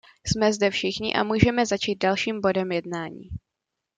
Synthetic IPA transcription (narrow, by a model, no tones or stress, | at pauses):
smɛzdɛfʃɪxɲɪ̰ʔa̰muːʒɛmɛzat͡ʃiːt̪̚dalʃiːmbo̞dɛmjɛdnaːɲḭː